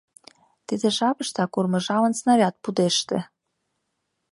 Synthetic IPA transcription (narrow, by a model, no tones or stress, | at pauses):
t̪id̪ĕʃɑpɤ̆ʃt̪ɑkurmɤ̆ʒɑvə̆nsnɑvʲɑt̪̚pud̪eʃt̪ĕ